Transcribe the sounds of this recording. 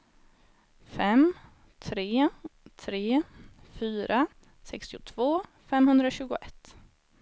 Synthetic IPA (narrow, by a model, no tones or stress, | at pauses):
fɛm | t̪ʰɾeːt̪ʰɾeːfyːɾʔa | sɛkst̪ɪʊt̪ʰv̥oː | fɛmhɵnd̪ɾaɕʉ̟ːɡʊʔɛt̪ː